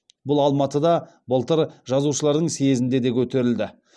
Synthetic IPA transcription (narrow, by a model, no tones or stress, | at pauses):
bʊlˠɑlˠmɑt̪əd̪ɑ | bəlˠt̪əɾʒɑzuʃəlˠɑɾd̪əɴseezɪnd̪e̞d̪e̞kʲʰɵt̪e̞ɾɪld̪ɪ